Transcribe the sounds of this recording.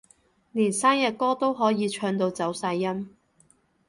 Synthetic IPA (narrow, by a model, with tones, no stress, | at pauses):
niː˨˩nsaː˥njɐ˨t̚kɔː˥t̪o˥wɦɔː˨˥jiː˨˧t͡ʃʰœː˧ŋt̪o˧wt͡sɐ˨˥wsaː˧jːɐ˥m